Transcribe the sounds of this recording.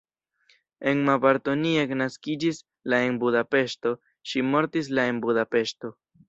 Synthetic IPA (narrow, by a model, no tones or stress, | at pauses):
e̞nmapaɾt̪onieknaskid͡ʒis | lae̞nbud̪ape̞ʃto̞ | ʃimo̞ɾt̪is̬lae̞nbud̪ape̞ʃto̞